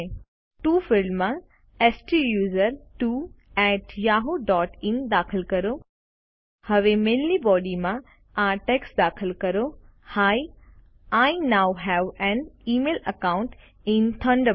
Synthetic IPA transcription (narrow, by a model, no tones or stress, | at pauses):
ʈuːfɪlmːã | ɛsʈijuːzəɾʈuː | ɛʈjaːɦoɖɔːʈɪ̃nd̪aːkʰəlkɐɾo | hɐʋemẽːnlibɔːɖimã | ãʈɛksd̪aːkʰəlkɐɾohaːj | aɪnaʊɦɛʋɛ̃niːmeːlɐkãʊ̃ɳʈ | ɪ̃nt̪ʰɐ̃ɳɖə